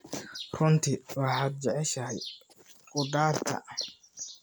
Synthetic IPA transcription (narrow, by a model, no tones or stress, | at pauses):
rʊnt̪ʰɪwɑħaːd̪̚d͡ʒɛʕɛʃɐɦɛj | kʊd̪aːrt̪ʰɐ̰